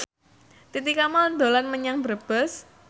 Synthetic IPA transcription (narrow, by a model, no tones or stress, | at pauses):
t̪it̪ikamad̪olanməɲaŋbəɾb̥əs